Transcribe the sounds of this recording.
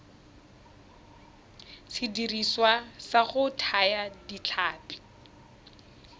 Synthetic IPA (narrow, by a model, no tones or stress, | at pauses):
sʰidiriswasaχʊtʰajadit͡ɬʰaːpʼi̥